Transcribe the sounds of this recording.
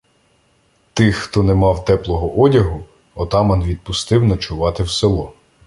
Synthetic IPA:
t̪ɪxːt̪ɔnɛmɑwt̪ɛplˠɔɦɔʔɔdʲɐɦʊ | ɔt̪ɑmɐnʋʲid̪̚pʊst̪ɪwnɐt͡ʃʊʋɑt̪ɪwselˠɔ

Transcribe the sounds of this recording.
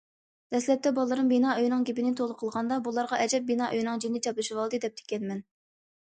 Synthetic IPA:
d̪̥ɛslɛp̚t̪ʰɛbɑlˠːɨɾɨŋbinɑːøjnɨŋɡʲipɪnɪt̪ʰolˠəqʰəlˠʁɑnd̪ɑbulˠɑɾʁɑʔɛd͡ʒɛp̚binɑʔøjnɨŋd͡ʒinːɪt͡ʃʰɑplɨʃiwɑlˠd̪ɨd̪ɛp̚t̪ʰe̥kʲɛnmɛn

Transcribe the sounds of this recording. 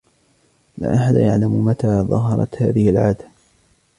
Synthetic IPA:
la̰ːʔaħad̪ajaʕlammat̪aːðˤɑ̰ɦɑɾˤɑ̰t̪ha̰ːðɪhɪlʕaːd̪a

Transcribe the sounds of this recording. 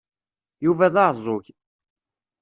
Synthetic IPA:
juvæðɑʕzˤʊʝ

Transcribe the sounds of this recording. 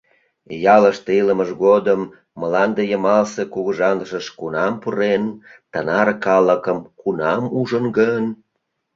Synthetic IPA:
jɑləʃt̪iləməʒɣod̪əmː | əlɑnd̪ejəmɑlsekuɣəʒɑnd̪əʃəʃkunɑmpuɾent̪ənɑrkɑləkəmkunɑmuʒənɡən

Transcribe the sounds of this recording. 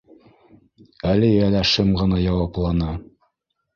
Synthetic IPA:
ælɘjælæʃɘmʁɤ̆nɑjɑwɑplˠɑnɑ

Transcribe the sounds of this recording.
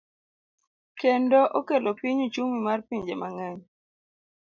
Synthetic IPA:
kendoʔokelopiɲut͡ʃuŋimarpiɲd͡ʒemaŋɛɲ

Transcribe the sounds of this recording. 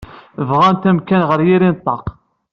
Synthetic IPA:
vʁænt̪æmkænʁəɾjiɾint̪ˤːɑq

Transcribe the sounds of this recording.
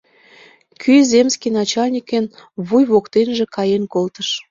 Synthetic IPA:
kʰyzemskinɑt͡ɕɑlnʲikenβujβokt̪enʒĕkɑjenkolt̪əʃ

